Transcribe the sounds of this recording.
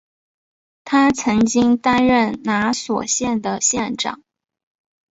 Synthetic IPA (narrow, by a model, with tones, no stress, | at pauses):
t̪ʰa˥t͡sʰɤ˧˥ŋt͡ɕi˥ŋt̪a˥nɻə˥˩nna˧˥swɔ̰˨˩ɕjɛ˥˩nd̪ə˩ɕjɛ˥˩nʈ͡ʂɑ̰˨˩˦